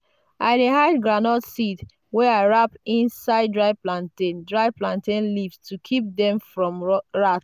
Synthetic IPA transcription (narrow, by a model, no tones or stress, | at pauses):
a̰ɪdeɦaɪdɡɹanɔtsit | wɛaɪɹapĩnsaɪd̚dɹaɪplãntẽndɹaɪplãntẽnlivstʰukʰip̚dɛ̃mfɹɔ̃mɹat